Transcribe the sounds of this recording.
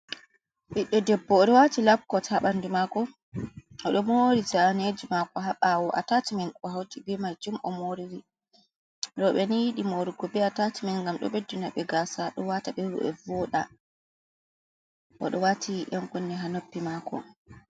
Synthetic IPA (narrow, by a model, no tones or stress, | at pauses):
ɓiɗːɛdɛbːɔːɗɔwatilabkːɔtʰaɓandumakɔ | ʔɔɗɔmoɾid͡ʒaned͡ʒimakɔɦaɓawɔʔa̰tatimɛnɔhawtibɛmad͡ʒumʔɔmoɾiɾi | ɗɔɓɛnijiɗimoɾuɡɔbɛatatimɛnŋɡamɗɔ̰ɓedunaɓɛɡaːsaɗɔwataɓɛɾṵʔɛ̰vɔɗa̰ | ʔɔ̰ɗɔwatʰiʔaŋkunːɛɦanopːimakɔ̰